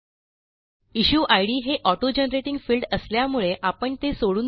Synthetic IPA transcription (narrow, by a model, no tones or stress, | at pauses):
iɕuːʔajɽiːɦeʔɔʈod͡ʑənɾeʈiŋɡfilɖəsljamuɭeʔapəɳt̪esoɽuːn